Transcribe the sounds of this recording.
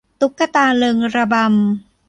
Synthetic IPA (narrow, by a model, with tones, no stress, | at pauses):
t̪u˦˥kːa˧t̪aː˧lɤ˧ŋɾa˧ba˧m